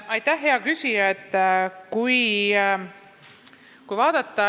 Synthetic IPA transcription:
ɑjt̪æhːe̞ɑkysʲijɑet̪ːˑkuj | kujvɑːd̪̥ɑt̪ˑːɑ

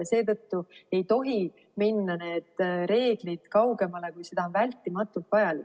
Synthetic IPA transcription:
ɑse̞ːt̪ɤt̪ːue̞jt̪o̞ɦi | minːɑne̞ːd̪̥ɾe̞ːɡ̥lid̪̥kɑwɡe̞mɑle̞kujse̞d̪̥ɑonvælʲt̪ːˑimɑt̪ːˑult̪vɑjɑlik

